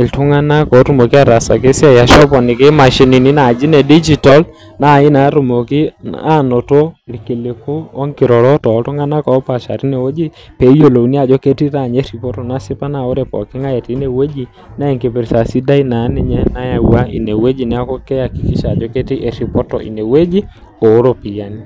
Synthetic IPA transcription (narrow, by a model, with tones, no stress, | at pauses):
ɪ˨ltʊ˦ŋa˦na˦kɔ˨˦tu˦mo˨ki˦a˦ɾa˨sa˨k̬e˦si˦a˨ja˦ʃɔ˦pɔ˨nɪ˨kɪ˦ma˨ʃi˨˦ni˨ni˦na˨d͡ʒi˦nɛ˨di˦d͡ʒi˨tɔ˦l | na˦˨ɪ˦na˨˦ɾu˨mo˨ki˦a˦˨nɔ˨to˦˨ɾke˨le˨ko˦ɔ˦ŋkɪ˨ɾɔ˨ɾɔ˦tɔ˨˦ltʊ˦ŋa˦na˦kɔ˨˦pa˨ʃa̰˨ɾi˦ne˨we˦d͡ʒi˦pe˨˦jo˨lo˨uni˦a˨d͡ʒɔ˦ke˦ti˦ta˦˨ɲɛ˦ɾi˨pɔ˦tɔ˨na˦sɪ˦pa˦na˨o˦ɾɛ˨pɔ̰˨kɪ˦ŋa˦jɛ˨ti˨˦ne˨we˦d͡ʒi˨ | na˦ɛ˨ŋke˨pe˨ɾsa˨si˦da˦i˦na˨˦nɪ˦ɲɛ˦na˦ja˨wa˦ḭ˨ne˨we˦d͡ʒi˨nɪ˦a˦kɔ˦kɛ˦ja˨ki˨kɪ˦ʃa˨d͡ʒɔ˦ke˦ti˦ʔe˨ɾi˨pɔ˦tɔ̰˨ʔḭ˨ne˨we˦d͡ʒi˦ | ko˨˦ɾo˦pi˨ja˨ni˦